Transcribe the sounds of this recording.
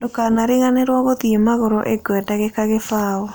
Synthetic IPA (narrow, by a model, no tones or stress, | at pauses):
d̥okanaɾiɣaneɾwaɣoðiemaɣoɾɔ̰ʔeɡwɛdaɣekaɣefaːɔ